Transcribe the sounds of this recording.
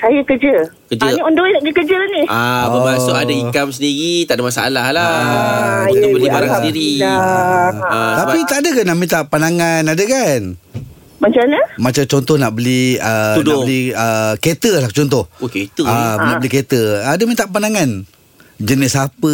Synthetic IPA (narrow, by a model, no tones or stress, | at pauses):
sajəkəd͡ʒəkəd͡ʒəniɔndoinaʔdikəd͡ʒəlaniaəbasoadaikamsəndiɣit̪aʔdamasaa̰lahlaa | bəlibaɾaŋsəndiɾia | t̪ait̪aʔadəkanaʔmĩt̪aʔpanaŋanadəkan | mat͡ʃaɲəmat͡ʃamt͡ʃɔnt̪ɔhnaʔbəliəundaoliəket̪əlaht͡ʃɔnt̪̬ɔhoket̪əanaʔbəliket̪əadəmĩt̪aʔpanaŋan | d͡ʒənɪsapə